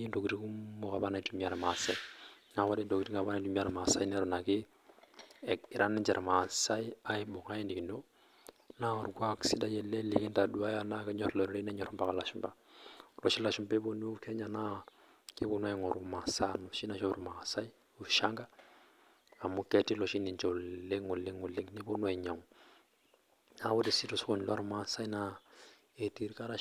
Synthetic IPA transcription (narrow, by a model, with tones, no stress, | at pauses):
i˦ndo˨kiɾi˦ku˦mo˦ka˨βa˦na˨i˨tumia˨ɾa˨ma˨sa˦i | na˨wa˦ɾi˦ndo˨ku˨ɾi˦ŋa˨βa˦na˨i˨tu˦mi˦a˨ɾa˨ma˨sa˦i˦nɛ˦ɾɔ˨na˨ki˦ | i˨ɾʔa˦nɛ˦d͡ʒɛ˨ɾʔa˨ma˨sa˦i˦a˦i˦bo˨ŋa˦je˦ndi˨ki˨no˦ | na˦˨ɾukwa˦ksi˦da˦jɛ˨lɛ˦li˦ki˦nda˨du˦a˦ja˦na˦kɛ˦ɲɔ˨ɾɛ˨lɔ˨ɾi˦ɾe˦nɛ˦ɲɔ˨ɾɔmba˦ka˨la˨ʃu˨mba˨lɔ̰˨ʃi˦la˨ʃu˨mba˦bo˦ni˦u˦kʰɛ˦ɲana˦ | kʼi˦bo˦nwa˦ŋɔ˨ɾu˨ma˨sa˦nɔ˨ʃi˦na˦ʃa˦u˨ɾuma˨a˨sa˦i˦ | u˨ʃa˦ŋɡa˦ | a˨mu˦kʼɛ˦tʼi˦lɔ˨ʃi˦ni˨nt͡ʃɔ˨le˦ŋʊ˨le˦ŋʊ˨le˦ŋnɪ˦bo˦nwɛ˨ɲa˨ŋɔ | na˦βʊ˦di˨si˦tu˨sko˨ni˨lwa˦ɾu˦ma˨a˨sa˦i˦na | e˨tʼi˦ɾi˦kʼa˦ɾa˦